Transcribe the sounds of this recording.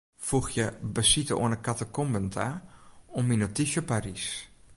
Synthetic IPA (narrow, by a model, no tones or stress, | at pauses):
fuxjəbəsitəo̰ənəkatəkɔmbəntʰaɔminotiʃəparis